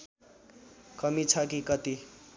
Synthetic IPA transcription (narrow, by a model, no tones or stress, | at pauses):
kʌmit͡sʰʌkikʌt̪i